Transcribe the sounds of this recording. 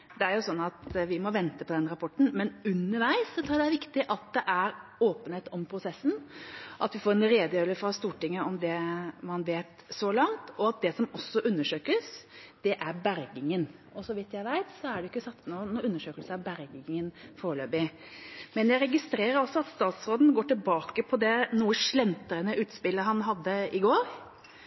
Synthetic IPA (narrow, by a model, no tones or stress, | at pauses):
d̪ɛæɾjʊsɔnːɑt̪ʋɪmɔʋɛnt̪əpʰɔd̪ɛnɾɑpʰɔʈːɳ̩mɛnʉnːəɾʋæɪsːɔt̪ʰɾuːd̪ɛæɾʋɪkt̪ɪʔɑt̪̚d̪ɛʔæɾoːpənheːt̪ɔmpʰɾʊsɛsːn̩ʔɑt̪ʋɪfoːɾɛnɾeːd̪əjøːləfɾɑst̪uːʈɪŋːəɔmd̪ɛmɑnʋeːt̪sɔlɑŋt̪ɔɑt̪̚d̪ɛsɔmɔsːɔʔʉnːəʂøːkəsd̪̥ɛʔæɾbæɾɡɪŋən | ɔsɔʋɪt̪jæɪʋæɪt̪sɔæɖɛjʏkːəsɑt̪sənɔnːʉnːəʂøːkəlsæbæɾɡɪŋənfoːɾløːbɪ | mɛnjæɪɾɛɡɪst̪ɾeːɾəɾɔsːɔɑt̪st̪ɑːt̪sɾoːd̪n̩ɡoːʈɪlbɑːkəpʰɔd̪ɛnuːəʂlɛmt̪əɾənəʔʉːt̪spɪlːəɦɑnɦɑd̪ːəɪɡoːɾ